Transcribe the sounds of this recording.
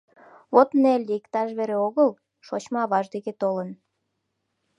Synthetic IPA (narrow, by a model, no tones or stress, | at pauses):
βot̪nelʲikt̪ɑʃβeɾeoɣəl | ʃot͡ɕmɑɑβɑʒd̪eket̪olən